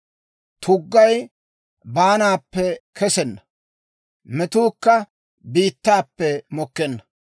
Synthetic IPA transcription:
t̪ʰʊɡːɐj | baːnaːpːɛkʰɛsɛnːɐ | mɛt̪uːkːɐ | biːt̪ːaːpːɛmɔkːɛnːɐ

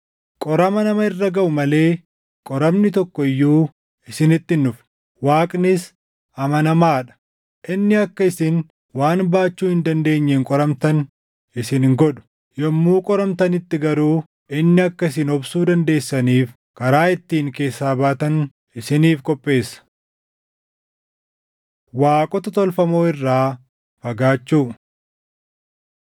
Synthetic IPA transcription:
kʼɔɾɐmɐnɐmɐɪrːɐɡɐʔʊmɐle̞ː | kʼɔɾɐmnɪt̪ɔkːɔɪjːuː | ɪsɪnɪt̪ːɪnːʊf | waːkʼnɪs | ɐmɐnɐmaːᶑɐ̥ | ʔɪnːɪɐkːɐɪsɪn | waːnbaːt͡ʃːuːhɪnd̪ɐnd̪e̞ːɲːeːŋkʼɔɾɐmt̪ɐn | ɪsɪnŋɡɔᶑʊ̥ | jɔmːuːkʼɔɾɐmt̪ɐnɪt̪ːɪɡɐɾuː | ɪnːɪɐkːɐɪs̬ɪnɔbsuːd̪ɐnd̪e̞ːsːɐniːf | kɐɾaːɪt̪ːiːŋke̞ːsːaːbaːt̪ɐn | ɪsɪniːfkʼɔpʼːe̞ːsːɐ̥ | waːkʼɔt̪ɐt̪ɔlfɐmo̞ːɪrːaː | fɐɡaːt͡ʃːuː

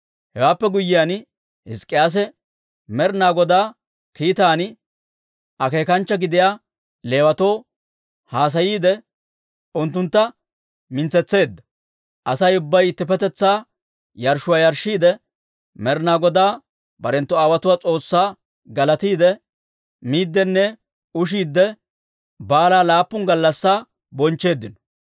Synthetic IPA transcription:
hɛwaːpːɛɡʊjːɪjaːn | hɪ̰skʼːɪjaːs̬ɛ | mɛɾnaːɡɔd̪aː | kiːt̪aːn | ʔɐke̞ːkɐnt͡ʃːɐɡɪd̪ɪjaː | le̞ːwɐt̪o̞ː | haːs̬ɐjiːd̪ɛ | ʔʊnt̪ːʊnt̪ːɐ | mɪnt͡sːɛt͡sːe̞ːd̪ːɐ̥ | ʔɐsɐjʊbːɐjɪt̪ːɪpɛt̪ɛt͡sːaː | jɐɾʃʊwaːjɐɾʃiːd̪ɛ | mɛɾnaːɡɔd̪aː | bɐɾɛnt̪ːɔaːwɐt̪ʊwaːt͡sʼo̞ːsːaː | ɡɐlɐt̪iːd̪ɛ | miːd̪ːɛnːɛ | ʊʃ̬iːd̪ːɛ | baːlaːlaːpːʊŋɡɐlːɐsːaː | bɔnt͡ʃːe̞ːd̪ːɪnɔ

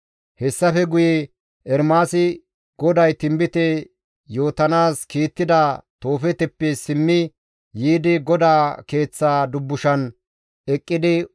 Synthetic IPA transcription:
hɛsːɐfɛɡʊjɛ | ʔɛɾmaːsɪ | ɡ̥ɔd̪ɐjt̪ɪmbɪt̪ɛ | jo̞ːt̪ɐnaːskiːt̪ːɪd̪ɐt̪o̞ːfɛt̪ɛpːɛsɪmːɪ | jiːd̪ɪɡɔd̪aːke̞ːt͡sːaːd̪ʊbːʊʃɐn | ɛkʼːɪd̪ɪ

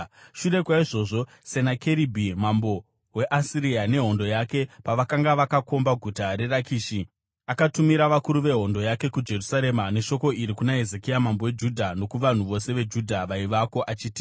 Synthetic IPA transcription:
ʃure̞kwaiʐo̞ʐo̞ | se̞nake̞ɾibʱimambo̞ | we̞ʔasiɾiane̞ɦo̞ndo̞jake̞paʋakaŋɡaʋakako̞mbaɡʱutaɾe̞rakiːʃi | akatumiɾaʋakuɾuʋe̞ɦo̞ndo̞jake̞kud͡ʒe̞rusaɾe̞mane̞ʃo̞ko̞iɾikunaɦe̞zekijamambowe̞d͡ʒudʱano̞kuʋan̤uʋo̞se̞ʋe̞d͡ʒudʱaʋaiʋako̞ʔat͡ʃiːti̥

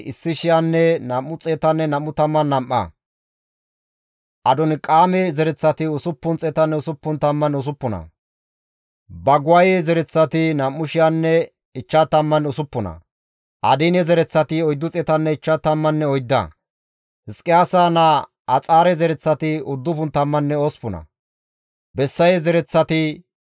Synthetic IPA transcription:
ɪsːɪʃɪjanːɛnɐmːʊt͡sʼɛːt̪ɐnːɛnɐmːʊt̪ɐmːɐnːɐmːɐ̰ | ʔɐd̪ɔnkʼaːmɛzɛɾɛt͡sːɐt̪ɪʊsʊpːʊnt͡sʼɛːt̪ɐnːɛʊsʊpːʊnt̪ɐmːɐnʊs̬ʊpːʊnɐ̰ | bɐɡʊwajɛzɛɾɛt͡sːɐt̪ɪnɐmːʊʃɪjanːɛ | ɪt͡ʃːɐt̪ɐmːɐnʊsʊpːʊnɐ̰ | ʔɐ̰d̪ɪnɛzɛɾɛt͡sːɐt̪ɪɔjd̪ːʊt͡sʼɛt̪ɐnːɛɪt͡ʃːɐt̪ɐmːɐnːɛɔjd̪ːɐ̰ | hɪskʼːɪjaːsaːna | ɐt͡sʼaːɾɛzɛɾɛt͡sːɐt̪ɪʊd̪ːʊpʊnt̪ɐmːɐnːɛoːspʊnɐ̰ | bɛsːɐjɛzɛɾɛt͡sːɐt̪ɪ

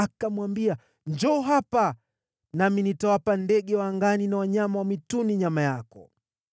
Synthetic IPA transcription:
akamwambia | nd͡ʒɔːɦapa | naminitɔwapandɛɠɛwaŋɡaninawaɲamawamituniɲamajakɔ

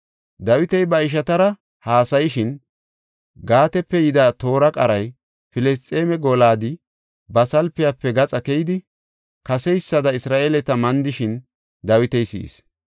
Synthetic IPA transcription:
d̪ɐwɪt̪ɛjbɐɪʃ̬ɐt̪ɐɾɐ | haːsɐjɪʃɪn | ɡaːt̪ɛpːɛjɪd̪aːt̪o̞ːɾɐkʼɐɾɐj | fɪlɛs̬t͡sʼːeːmɛɡolaːd̪ɪ | bɐsɐlpːɪjapːɛɡɐt͡sʼɐkɛjɪd̪ɪ | kɐsɛjsːɐd̪ɐɪsɾaːʔeːlɛt̪ɐmɐnd̪ɪʃɪn | d̪ɐwɪt̪ɛjsḭːs

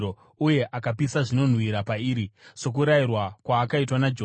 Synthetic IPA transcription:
o | uje̞ʔakapisaʐino̞n̤wiɾapaiːɾiso̞k̬uɾajirwakwaːkaitwanad͡ʒo

